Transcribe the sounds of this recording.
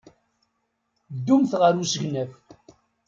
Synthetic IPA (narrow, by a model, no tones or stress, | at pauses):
d̪ːumθʁəɾusəʝnæf